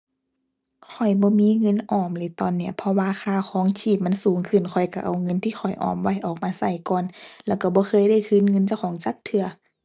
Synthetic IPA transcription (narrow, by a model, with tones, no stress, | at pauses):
kʰɔ˨˩jbɔː˧˦miː˧˥˨ŋɤ˧˥˨nʔɔː˧˩mlɯː˧˩˦t̪ɔː˧˨nːi˧˩ɐpʰɔ˧waː˧˨xaː˧˨xʰɔː˨˦ŋt͡ɕʰiː˧˩p̚ma˧˥˨nsuː˨˦ŋkʰɯ˧˩nkʰɔ˨˩jka˧˩ʔa̰˧˩wŋɤ˧˥˨nt̪ʰiː˧˩xʰɔ˨˩jʔɔ̰ː˨˩mwa˧˩jʔɔː˨˩k̚maː˧sa˧˩jkɔː˨nlɛː˧˩wka˧˩bɔː˧˦xɤː˧˥˨jda˧˩˨jkʰɯ˧˥˨nŋɤ˧˨nt͡ɕa˧˨wkʰɔː˨˦ŋt͡ɕaː˨˦k̚t̪ʰɯ˧ɐ